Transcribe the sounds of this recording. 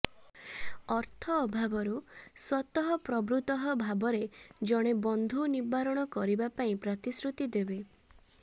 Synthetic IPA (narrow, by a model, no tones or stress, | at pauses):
ɔɾt̪ʰɔːbʱabɔɾuswɔt̪ɔɦɔpɾɔbɾut̪ɔɦɔbʱabɔɾed͡ʒɔɽ̃ebɔnd̪ʱunibaɾɔɽ̃ɔkɔɾibapaĩpɾɔt̪isɾut̪id̪ebe